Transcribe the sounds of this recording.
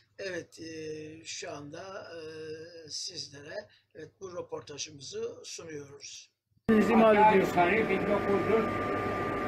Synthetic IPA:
ɛvɛt̪ʰː | ʃuand̪a | sizlʲe̞ɾɛ | ɛvɛt̪̚buɾapʰo̞ɾt̪ʰaʒɯmɯzɯsunujo̞ɾuz̥ | nizimaled̪ijosaɾɯbiɾjokulˠd̪uɾ

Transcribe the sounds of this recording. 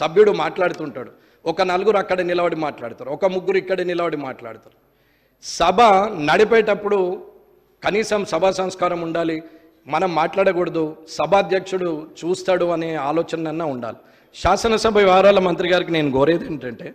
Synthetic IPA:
sɐbʱjuɽumaːʈlaːɽut̪uɳʈaːɽu | ɔkɐnɐluɡuɾuɐkːɐɽɐnilɐʋɐɽimaːʈlaːɽut̪aːɾuɔkɐmuɡːuɾuikːɐɽɐnilɐʋɐɽimaːʈla̰ːɽut̪aːɾu | sɐbʱɐnɐɽipɛːʈɐpːuɽu | kɐniːsɐmsɐbʱaːsɐ̃w̃skaːɾɐmuɳɖaːli | mɐnɐmːaːʈlaːɽɐkuɽɐd̪usɐbʱɐɐd̪ʱjɐkʂuɽut͡ʃuːst̪aːɽuɐneːaːlɔːt͡ʃɐnlɐnːaːuɳɖa̰ːli | ʃaːsɐnɐsɐbʱɐʋaːɾaːlɐmɐnt̪ɾiɡaːɾikineːnuɡoːɾeːd̪eːnʈɐɳʈeː

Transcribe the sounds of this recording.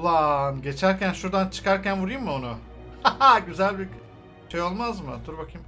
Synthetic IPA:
lˠanɟe̞t͡ʃʰæɾcʰænʃuɾd̪ant͡ʃʰɯ̥kaɾcænbuɾajɯmːɯonu | aɟyzælʲbi | ʃʰejo̞lˠmazmɯt̪ʰuɾbakʰim

